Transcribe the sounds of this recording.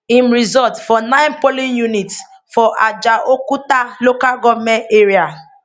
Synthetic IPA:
ĩmɾizɔtfɔnãɪ̃npolĩnjunit | fɔʔad͡ʒaʔokutalokaɡɔvmɛ̃nteɾia

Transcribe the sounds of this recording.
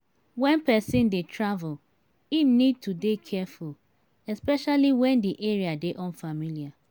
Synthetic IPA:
wɛ̃npɛsĩndetʰɹavul | inid̚tudekʰɛful | ɛspɛʃaliwɛ̃ndiʔeɹiadeʔɔ̃nfamilia

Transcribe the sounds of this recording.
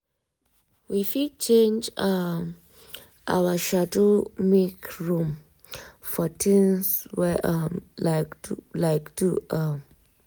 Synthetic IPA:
wifidt͡ʃʰẽnd͡ʒa | ʔa̰waʃadomikɹũm | fɔtʰĩnswɛʔamlaklaɪktʰuʔʌm

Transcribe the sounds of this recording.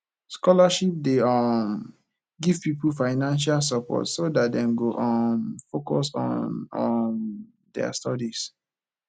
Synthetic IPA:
skɔlaʃip̚deɔm | ɡiv̥pipulfaɪnãnʃ̬als̬əpɔ̰tsodat̚dɛ̃mɡoʔɔmfokɔsɔ̰̃nɔn | dɛ̰a̰stɔdis

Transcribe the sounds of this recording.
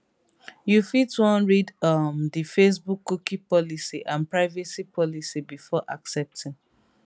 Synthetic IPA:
jufitwɔ̃nɹidʌmðifes̬bukːukipɔlisiʔãnpɹaɪvesipʰɔlisibifɔʔaksɛp̚tĩŋ

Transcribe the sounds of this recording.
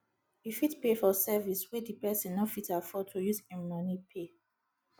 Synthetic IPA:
jifitpefɔsɛviswedipɛsĩnːɔfitafɔd̚tʰujuzɛmɔnipʰe

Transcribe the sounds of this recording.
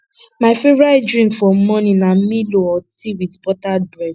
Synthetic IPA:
maɪfevɾadɹĩmfɔmɔ̃nĩnam̩mĩloɔtiwidbɔtabɹɛd

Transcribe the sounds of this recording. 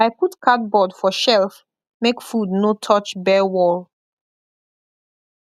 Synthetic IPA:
aɪputkʰat̚bɔdfɔʃɛlf | mekfudnotʰɔt͡ʃbɛwɔl

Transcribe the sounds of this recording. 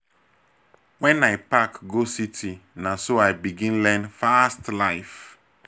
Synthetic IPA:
wɛ̃nːaepakɡositʰinasoaɪbiɡĩnlɛ̃nfastlaɪf

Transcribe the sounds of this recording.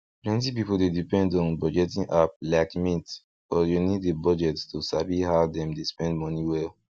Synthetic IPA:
plɛ̃ntipipoldedipɛ̃ndɔ̃nbɔd͡ʒɛtĩŋʔap̚laɪkmit | bɔjuniddebɔd͡ʒɛtstusabihavdɛ̃mdespɛ̃ndmɔniwɛl

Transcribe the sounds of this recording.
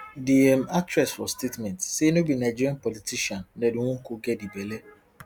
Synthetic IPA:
diɛmatɾɛsfɔstetmɛntsenobinaɪd͡ʒiɾãnpɔlitiʃɔ̃nneduŋʷõŋ̩koɡɛdibele

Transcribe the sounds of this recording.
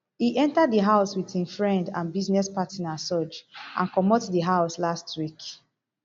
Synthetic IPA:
hiʔɛ̃ntadðəɦaʊswitĩnfɹɛ̃ndãnbiznɛspatʰinasɔd͡ʒʔã̰nkɔmɔtdiɦaʊslastʰwik

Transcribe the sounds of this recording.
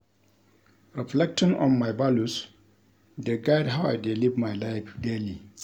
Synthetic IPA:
ɹiflɛk̚tɪ̃ŋɔ̰̃nmajbalus | deɡaɪdɦawajdilivmajlaɪfdeli

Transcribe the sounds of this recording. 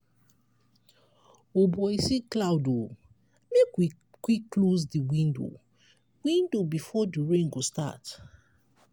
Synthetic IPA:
obɔisiklaʊdo | mekwi | kwikːlozdiwĩndo̰ | wĩndobifɔdiɹẽnɡosta̰t

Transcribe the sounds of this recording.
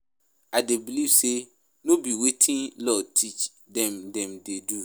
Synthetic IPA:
adɛbilivse | nʊ̃biwetʰĩnlɔtʰit͡ʃ | dɛ̃mdɛ̃mdedu

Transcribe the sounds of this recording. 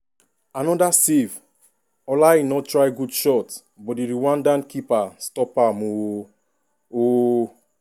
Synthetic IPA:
anɔdasiv | ɔlainɔtɹajɡudʃɔt | bɔdiɾiwãndãnkipastɔpamũwo | o

